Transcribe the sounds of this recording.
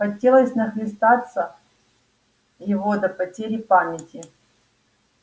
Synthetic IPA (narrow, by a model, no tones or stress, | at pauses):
xɐtʲelˠəsʲnɐxlʲɪst̪at̪sə | jɪvo̞d̪ɐpɐtʲeɾʲɪpamʲɪtʲɪ